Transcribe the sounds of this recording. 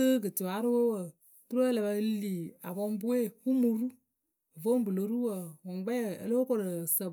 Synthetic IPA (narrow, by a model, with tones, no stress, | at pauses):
ɨ˦ɡɨ˨tɪ˨wa˨˦ɾɨ˦wo˦wə˨ | tu˦ɾo˦lɛ˨ba˧˦liː˨a˨bɔ˦m˦bu˦e˦˨hu˦mu˨ɾu˦˨ | vo˦m˦bɨ˨lo˨ɾu˦wə˨wɔ˨ŋ˦ɡ͡bɛ˦˨ə̰˦lo˦o˦ko˨ɾə˨sə˨